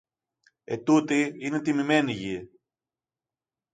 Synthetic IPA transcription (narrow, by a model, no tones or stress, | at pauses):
ḛt̪ut̪iinet̪imime̞niʝi